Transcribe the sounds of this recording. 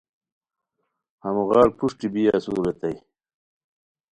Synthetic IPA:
hɐmuɣɑːɽpuʂʈibijaːsuːɾɐt̪ɐj

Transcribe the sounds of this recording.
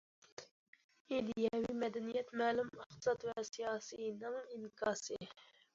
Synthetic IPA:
id̪ijɛwimɛd̪ɛnijɛt̪mæːlumɪχt̪ɨ̥sɑt̪vɛsijɑːsijnɨŋimkʰɑːsɨ

